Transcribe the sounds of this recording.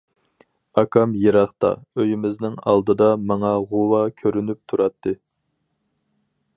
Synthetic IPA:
ɑkʰɑmjeɾɑχt̪ɑ̰øjymɪznɪŋɑ̰lˠd̪ɨd̪ɑmɑŋɑʁuwɑkʲʰøɾynyp̚t̪ʰuɾɑt̪ʰːɨ

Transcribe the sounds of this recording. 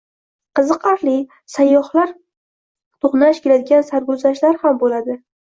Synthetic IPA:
qʰɨzɨqaɾli | sajːɒhlaɾ | t̪ʰoqnaʃkʲʰelad̪ɪɡʲansaɾɡʊzaʃlaɾhambolad̪ɪ

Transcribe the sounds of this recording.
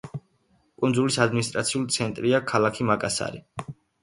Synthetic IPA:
kʼund̪zulisad̪minist̪ʼɾat̪sʰiulˠit̪sʰɛnt̪ʼɾiakʰalakʰimakʼasa̰ɾi

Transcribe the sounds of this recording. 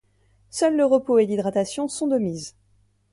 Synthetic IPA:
sœlːəʁəpoelid̪ʁat̪asjɔ̃sɔ̃d̪əmiz

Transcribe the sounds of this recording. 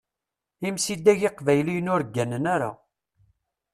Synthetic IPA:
imsid̪æʝeqvæjlijnʊɾɡːænənæɾa̰

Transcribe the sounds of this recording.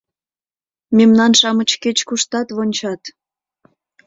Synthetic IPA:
memnɑnʃɑmət͡ɕket͡ɕkuʃt̪ɑt̪βonʲt͡ɕɑt̪

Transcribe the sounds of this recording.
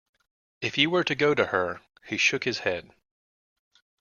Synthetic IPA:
ɨfjiwə˞ɾɨɡoʊɾɨə˞ | hiʃʊkhɨz̥hɛd̥

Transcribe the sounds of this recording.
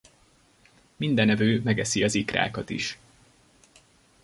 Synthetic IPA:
mind̪ɛnɛvøːmɛɡɛsiɒzikra̰ːkɒt̪ḭʃ

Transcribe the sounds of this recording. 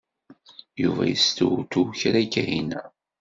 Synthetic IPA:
juvæ̰jəst̪ut̪uçɾækːæɦinæ

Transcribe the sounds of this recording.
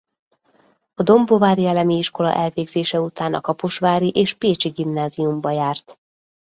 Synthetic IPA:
ɒd̪o̞mbo̞vaːɾiɛlɛmiiʃko̞lɒ̰ʔɛlveːɡzeːʃɛut̪aːnɒ̰kɒpoʃʋaːɾiʔeːʃpeːt͡ʃiɡimnaːziumbɒjaːrt̪

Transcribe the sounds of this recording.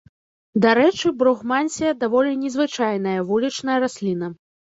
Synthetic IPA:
d̪aɾɛt͡ʂɨbɾuɣmanʲsʲijɐd̪avɔlʲinʲɛzvɨt͡ʂajn̪ɐjɐvulʲit͡ʂnɐjɐɾasʲlʲin̪ɐ

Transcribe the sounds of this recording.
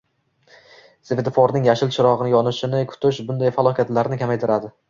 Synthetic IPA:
seved̪fɒɾnɪŋjaʃɪlt͡ʃʰɪɾɒʁɨnɪjɒnɪʃɪnɪkʰʊ̥t̪ʰɪʃbʊnd̪ajfalˠɒkʲʰat̪laɾnɪkʲʰamajt̪ʰɪɾad̪ɪ

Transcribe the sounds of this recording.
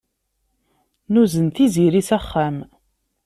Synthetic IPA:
nuzənt̪iziɾisæχːæm

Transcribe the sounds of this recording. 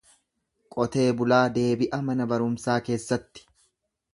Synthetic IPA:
kʼɔt̪e̞ːbʊlaːd̪e̞ːbɪʔɐmɐnɐbɐɾʊmsaːke̞ːsːɐt̪ːɪ̥

